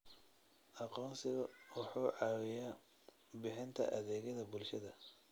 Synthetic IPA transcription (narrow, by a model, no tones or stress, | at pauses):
ʔɑqɔːnsɪɣɐwʊħuːʕɑwɪja | bɪħɪnt̪ʰɐ̰ʔɐðɛːɣɐðɐbʊlʃɐðɐ